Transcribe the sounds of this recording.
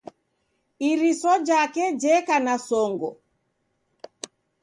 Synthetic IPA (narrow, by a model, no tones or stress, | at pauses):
iɾisɔd͡ʒakɛd͡ʒɛkanasɔŋɡɔ